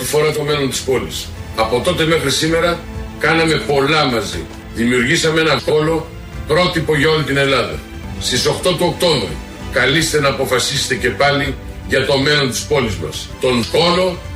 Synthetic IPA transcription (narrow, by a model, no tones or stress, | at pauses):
t̪ifo̞ɾɐt̪o̞me̞lo̞nt̪i̥spo̞lḭsɐpo̞t̪o̞t̪e̞me̞xɾisime̞ɾɐ | kɐnɐme̞po̞lɐmɐzḭ | ðimiuɾʝisɐmee̞nɐo̞lo̞ | pɾo̞t̪ipo̞ʝɐo̞lit̪ine̞lɐðɐ̰ | st̪iso̞xt̪o̞t̪uo̞kt̪o̞ɱvɾḭ | kɐlist̪e̞nɐːpo̞fɐsise̥t̪e̞ce̞pɐli | ʝɐt̪o̞me̞lo̞nt̪i̥spo̞lizmɐ̰s | t̪o̞no̞lo̞